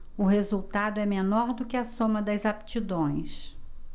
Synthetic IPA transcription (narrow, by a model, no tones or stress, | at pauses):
ʊɦezuwt̪ad̪ʊɛmenɔɾd̪ʊkɪɐsõmɐd̪ɐzap̚t͡ʃid̪õj̃s